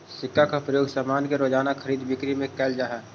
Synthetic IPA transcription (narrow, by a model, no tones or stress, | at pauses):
sɪkːakapɾəjoːɡsamaːnkeɾoːd͡ʒaːnakʰəɾiːd̪bɪkɾimẽkɛːld͡ʒaːɦɛː